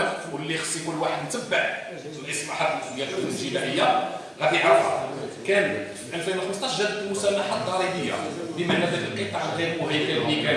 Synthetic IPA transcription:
wlːixsˤifulwaħəd̪nt̪əbːəʕ | lʔəsmaħæd̪əlʔəd̪jæd̪ʔəsʒimæʔəjːa | ɣæd̪iʕɑɾˤfɑ̰kænəfiʔælfinwxməsˤt̪ˤɑʃʒæd̪əd̪lmʊsælːaħad̪ˤɑɾˤibəjːa̰bəmaʕnæd̪æd̪əlqət̪ˤɑʕlɣiɾmʊɦæjkællːikæ

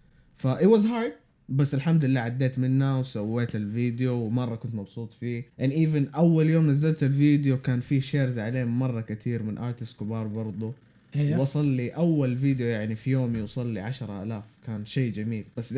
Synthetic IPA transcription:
faʔɪwɑzɦɑːɾd̪ | basːɪlħamd̪ɪlːaːʕad̪ːeːt̪mɪnːawsawːeːt̪ɪlviːd̪ɪjowmɑrˤːɑkʊnt̪mɑbsuːt̪ˤfiːʔanʔiːvɪnʔawːaljoːmnazːalt̪ɪlviːd̪ɪjokaːnfiːʃeːɾzaʕaleːmːɑrˤːɑkat̪ʰiːɾmɪnʔɑːɾt̪ɪst̪kɪbɑːɾˤbɑɾˤd̪ˤʊ | wʔɑsˤɑlːiʔawːalviːd̪jojaʕnifijoːmjusˤɑlːiʕaʃɾˤɑʔa̰laːfkaːnʃeːd͡ʒamiːlb̥asː

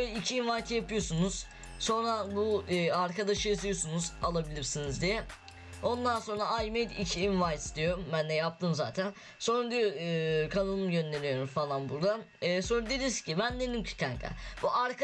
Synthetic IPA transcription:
ølʲɛicʰiːnvajt̪ʰɯjapɯjo̞sunuz̥ | so̞nɾabuɯːaɾkʰad̪aʃɯjazɯjo̞sunuzalˠabilʲiɾsinizd̪ijɛ | o̞nd̪anso̞nɾaajmejd̪icʰiːnvajt̪st̪ʰijo̞ɾumbænːɛjap̚t̪ʰɯmza̰ːt̪ʰæn | so̞nɾad̪ikʰanɯlˠɯmjø̞nːʲenijo̞ɾumfalˠanbuɾd̪anː | so̞nɾad̪elʲiɾsi̥cʰibænd̪enimcʰi̥t̪ʰaŋkʰa̰b̥uʔaɾk

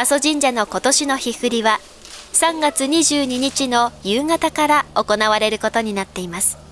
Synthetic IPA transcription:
aso̞ʑĩɲ̟d͡ʑano̞ko̞t̪o̞ɕino̞çihɯ̟ɾʲiβa | sãŋɡat͡sɨɲ̟iʑɨːɲ̟iɲ̟it͡ɕino̞jɯːŋat̪akaɾao̞ko̞naβaɾe̞ɾɯ̟ko̞t̪o̞ɲ̟inat̪ːe̞imasɨ̥

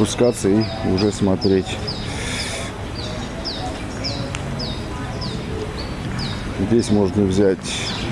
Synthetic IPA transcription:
pʊskat̪sːəiʊʐɛsmɐt̪ɾʲetʲ | zʲdʲesʲmo̞ʐnəvzʲætʲ

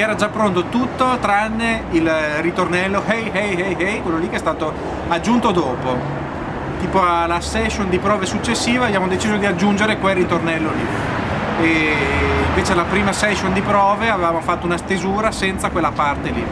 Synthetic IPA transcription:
ɛːɾad͡ʒapːɾont̪ot̪ut̪ːot̪ɾanːeilrit̪ornɛlːohɛjhɛjɛjɦɛjkwelːolikːeɛst̪aːt̪o | ad͡ʒːunt̪od̪oːpo | t̪iːpoalasɛʃːond̪ipɾɔːvesut͡ʃːesːiːvabjaːmod̪et͡ʃiːzod̪iad͡ʒːund͡ʒeɾekwelːit̪ornɛlːoli | e | iɱveːt͡ʃelapɾiːmasɛʃond̪ipɾɔːveavevaːmofat̪ːounast̪ezuːɾasɛnt̪sakwelːapart̪elḭ

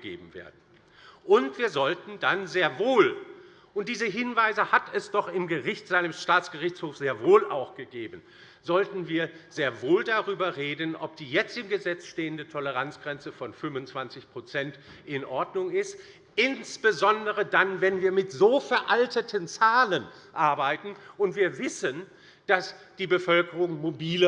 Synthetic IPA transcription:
əɡḛːbm̩vḛːɐdn̩ | ʔʊntv̥iːɐzɔltn̩danzeːɐvoːl | ʔʊnt̚d̥iːzəɦɪnvaɪzəhatɛsd̥ɔχɪmɡəʁɪçtz̥alɪmʃtaːt͡sɡ̥əʁɪçt͡shoːfz̥eːɐvoːla̰ʊxɡ̥əɡeːbən̩ | z̥ɔltn̩viːɐz̥eːɐvoːldaʁyːbɐʁeːdənʔɔp̚d̥iːjɛt͡stɪmɡəzɛt͡sʃteːəndətʰɔləʁant͡sɡ̥ʁɛnt͡səfɔnfʏmʊnt͡sv̥ant͡sɪçpʁ̥ot͡sɛnt | ʔɪnʔɔɐdnʊŋɪst | ʔɪnsb̥əzɔndəʁədanvɛnviːɐmɪtz̥oːfɛɐʔaltʰətʰənt͡saːlən | ʔaɐbaɪtn̩ʔʊntv̥iːɐvɪsən | d̥asd̥iːbəfœlkəʁʊŋmobiːlə

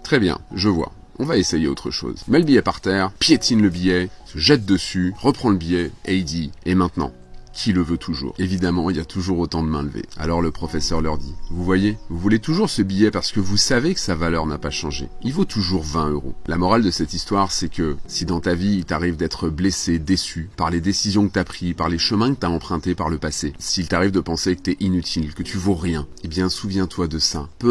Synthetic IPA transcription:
t̪χɛbjɛ̰̃ʒəvwa̰ | ɔ̰̃vaesejeot̪χəʃo̰ːzmɛləbijɛpaʁt̪ɛːʁpjet̪inləbijɛsəʒɛt̪̚d̪əsyʁəpχɑ̃ləbijɛeid̪iemɛ̃t̪nɑ̰̃ | kʲʰiləvøt̪ʰuʒṵːʁevid̪amɑ̃ilat̪ʰuʒuʁot̪ɑ̃d̪əmɛ̰̃ləvḛa̰lɔʁləpχɔfɛsœʁlœʁd̪ivuvwajevuvulet̪uʒuʁsəbijɛpaʁsə̥kəvusavekə̥savalœʁnapaʃɑ̃ʒḛilvot̪ʰuʒuʁvɛ̃øʁo̰lamɔʁald̪əsɛt̪ist̪waʁsɛkəsid̪ɑ̃t̪aviːlt̪aʁivd̪ɛt̪χəblesed̪esypaʁled̪esizjɔ̃kət̪yapχipaʁleʃəmɛ̃kət̪aɑ̃pχɛ̃t̪epaʁləpasesiːlt̪aʁivd̪əpɑ̃sekət̪yɛʔinyt̪ʰilkət̪ʰyvoʁjɛ̃ebjɛ̃suvjɛ̃t̪wad̪əsapø

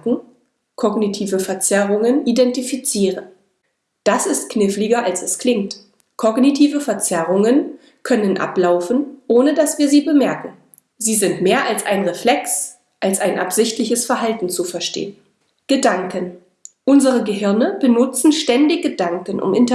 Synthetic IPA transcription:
ɡ̩ | kʰɔɡnitʰiːvəfɛɐt͡sɛʁʊŋənidɛntifit͡siːʁə | d̥asɪstknɪflɪɡɐʔalsɛskʰl̥ɪŋt | kʰɔɡnitʰiːvəfɛɐt͡sɛʁʊŋən | kʰœnənʔa̰plaʊfn̩ʔoːnədasv̥iːɐziːbəmɛɐkŋ̩ | ziːzɪntmeːɐʔalsʔaɪnʁeflɛks | ʔalsaɪnʔa̰pz̥ɪçtlɪçəsfɛɐɦaltn̩t͡sufɛɐʃtḛːən | ɡ̥ədaŋkən | ʔʊnzəʁəɡəɦɪɐnəb̥ənʊt͡sn̩ʃtɛndɪçɡ̥ədaŋkən̩ʔʊ̰mʔɪnt

